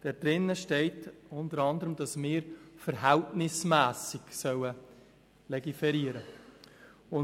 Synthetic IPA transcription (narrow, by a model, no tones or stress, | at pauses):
d̥ɛɾd̥ɾɪnːəʃtɛɪtʊntəɾɑndəɾəmd̥ɑsmɪːɾfəɾɦæltnɪsmæːsɪksœwə | lɛɡifɛɾiəɾə | ʊ